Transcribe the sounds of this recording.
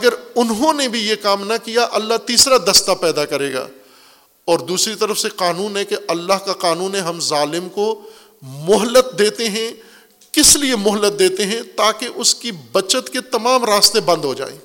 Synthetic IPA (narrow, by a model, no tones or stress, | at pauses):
ɐɡəɾʊnɦõnebʱijekaːmnɐkijaʔɐlːaɦt̪iːsɾad̪ɐst̪apɛːd̪akɐɾeːɡa̰ː | ɔːɾd̪uːsɾit̪ɐɾəfseqaːnuːnɦɛkeʔɐlːaɦkaqaːnuːnɦɛɦɐmzaːlɪmko | mʊɦlːət̪̚d̪eːt̪eɦɛ̃ | kɪsliemʊɦlət̪̚d̪eːt̪eɦɛ̃t̪aːkeʔʊskibɐt͡ʃət̪ket̪ɐmaːmɾaːst̪ebɐ̃nd̪ɦod͡ʒa̰ːḛː